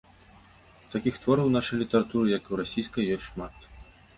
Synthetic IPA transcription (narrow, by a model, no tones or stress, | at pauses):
t̪akʲixt̪vɔɾɐwnaʂɐjlʲit̪ɐɾat̪uɾɨjɐkɨwɾasʲijskɐjːɔsʲtʲʂmat̪